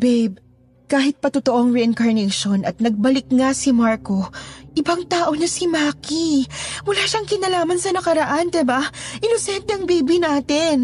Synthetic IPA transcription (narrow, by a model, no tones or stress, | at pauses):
bejb̚ | kaːɦɪt̪̚pɐt̪ʊt̪oʔoɐŋɹɛʔɪnkɐɹnɛʃo̞nʔɐt̪̚nɐɡ̚bɐlɪk̚ŋasɪmaɹko̞ʔɪbaŋt̪aːʔo̞nɐsimaːkimʊlaːʃɐŋkɪnɐlaːmɐnsɐnɐkɐɾɐʔand̪ɪbaʔɪnosɛnt̪ɛɐŋbejbɪnaːt̪ɪn